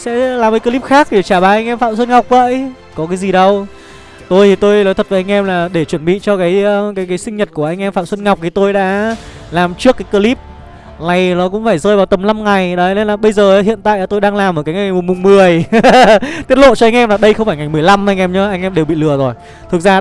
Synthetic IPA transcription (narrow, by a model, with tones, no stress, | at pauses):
sɛ̰˧˥laː˨˩mkaː˨˦kəː˧li˦˥p̚xaː˦˥k̚e˧˩t͡ɕaː˧˩ɓaː˨˩ʔa˧jŋ̟ʔɛ˧mfa̰ː˧˨msə˧n̚ŋa˨˩wk͡p̚və̰ː˧˨j | kɔ˨˦kaː˨˦jzi˨˩ɗə˧w | t̪o˧jt̪ʰi˨˩t̪o˧jlo˨˦t̪ʰə˨˩va˨˩ʔa˧ŋ̟ʔɛ˧mlaː˨˩ɗe˧˩t͡ɕwə˧˩nɓḭ˧˨t͡ɕɔ˧kaː˨˦jkaː˨˦jkaː˨˦jsï˧ŋɲə˨˩t̚ku˧˩əʔa˧jŋ̟ʔɛ˧mfa̰ː˧˨msə˧nŋa˨˩wk͡p̚t̪ʰi˨˩˦t̪o˧jɗa̰ː˧˥ | laː˨˩mt͡ɕɨ˦˥əkːaː˨˦jkəː˧li˦˥p̚ | na˨˩jnɔ˨˦kʊ̰˧˥ŋ͡mfaː˧˩jzəː˧jvaː˨˩wt̪ə˨˩mla˧mŋa˨˩jɗə˨˦ne˧nlaː˨˩ɓə˧jzəː˨˩˨hḭ˧˨ənt̪a̰ː˧˨jaː˨t̪o˧jɗaː˧ŋlaː˨˩mʔəː˨˩kaː˨˦jŋa˨˩jmʊ˨˩mʊ˨˩ŋ͡mmɨ˨˩əj | t̪i˦˥ət̚lo̰˧˨t͡ɕɔ˧a˧jŋʔɛ˧mlaː˨˩ɗə˧jxə˧wŋ͡mfaː˧˩jŋa˨˩jmɨ˨˩əjla˧mʔa˧jŋ̟ʔɛ˧mɲɨ˨˧˦ʔa˧jŋ̟ʔɛ˧mɗe˨˩wɓḭ˧˨lɨ˨˩əzo˨˩j | t̪ʰɨ˨˩k̚zaː˧